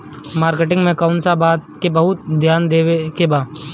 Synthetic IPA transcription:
maːɾkeʈɪ̃ŋɡmẽkaːʊnsabaːt̪̚kebɐɦʊt̪̚d̪ʱjaːnd̪eːwekebaːd̪

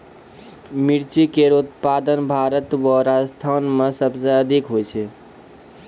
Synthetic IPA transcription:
miɾt͡ʃikeɾot̪pad̪ənbʱaɾət̪wəɾad͡ʒəst̪ʰanmesəbseəd̪ʱikɦojt͡ʃʰɛ

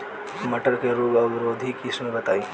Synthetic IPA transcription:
məʈəɾkeɾuːɡɐbɪɾoːd̪ʱikismẽbɐt̪aːi

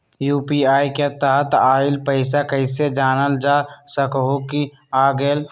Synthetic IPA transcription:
juːpiaːiket̪aɦət̪aːɪlpəɪsakəɪsed͡ʒaːnəld͡ʒaːsəkɦoki | aːɡeːl

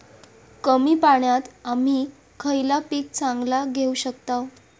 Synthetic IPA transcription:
kəmiːpaɳjat̪am̤iː | kʰəjlapiːk̚t͡sãŋɡlaɡʱeuɕəkt̪aw

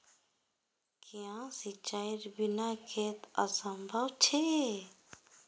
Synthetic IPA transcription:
kiãsit͡ʃaiɾbinakʰet̪asə̃mbʱəwt͡ʃʰe

